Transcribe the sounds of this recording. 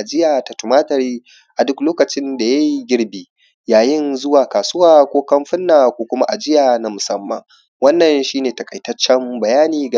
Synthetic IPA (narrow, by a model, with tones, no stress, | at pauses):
ʔa˨d͡ʒɪ˦jaː˨ta˨tʊ˨maː˦tɐ˨ɾiː˦ | ʔa˨dʊ˦kloː˦kɐ˨t͡ʃɪ˦nda˨ja˦ji˦ɡʲɪ˦ɽbiː˦ | jaː˨jɪ˦nzʊ˦waː˨kaː˨sʊ˦waː˦kʷoː˦kɐ˦mɸɪ˦nːaː˨kʷoː˦kʷʊ˦ma˦ʔa˨d͡ʒɪ˦jaː˨na˨˦mʊ˨sɐ˦mːɐ̰˨ŋ | wɐ˦nːɐ˨nʃiː˦neː˨tɐ˨kʼɐ˨jtɐ˦t͡ʃːɛ˦mbɐ˨jaː˦niː˨ɡa˨